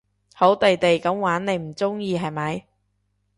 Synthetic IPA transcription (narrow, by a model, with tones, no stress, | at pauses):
ho˨˥wt̪e˨jt̪e˨jkɐ˨˥mwaː˨˥nne˨˧jm̩˨˩t͡sʊ˥ŋjiː˧ɦɐ˨jmɐ˨˥j